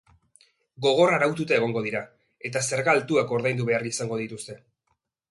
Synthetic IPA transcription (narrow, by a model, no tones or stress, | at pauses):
ɡo̞ɣ̞o̞raɾawt̪ut̪ae̞ɣ̞o̞ŋɡo̞ð̞iɾa | e̞t̪ase̞ɾɣalt̪uako̞ɾðajnd̪uβe̞arisaŋɡo̞ð̞it̪ust̪e̞